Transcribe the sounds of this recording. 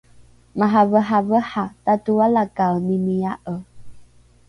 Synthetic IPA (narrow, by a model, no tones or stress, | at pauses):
maɦavəɦavəħatatualakawnimiaʔə